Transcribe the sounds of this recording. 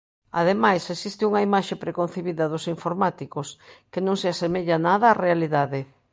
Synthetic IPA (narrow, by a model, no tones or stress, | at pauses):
a̰ðemajsesist̪ɪuŋɐimaʃepɾekon̟θeβiðɐðʊsiɱfoɾmat̪ikoskenõŋseasemeʎanaðɐːrealiðaðe